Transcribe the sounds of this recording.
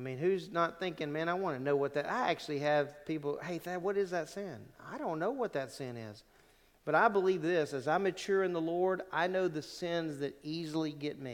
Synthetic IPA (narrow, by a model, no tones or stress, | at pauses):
amĩnhʉznət̪̚θɪ̃ŋkɪ̃ŋmæ̃ñaɪwɑ̃nɨnoʊwʌt̪̚ðɨɾʔa̰ɪæk̚t͡ʃʉl̩ˠiɨv̥pʰip̬l̩ˠheɪðɨt̚wʌɾɨzðɨtsɪ̃na̰ɪɾõʊ̃nːoʊwʌt̪̚ðɨtsɪ̃nɪ̰z̥ | b̥ʌɾaɪbəlivðɪsɨzãɪ̃mɨt͡ʃʰʊɹɨ̃nðəlɔɹɾʔaɪnoʊðɨsɪ̃nzðɨɾizl̩ˠiɡɛt̚mi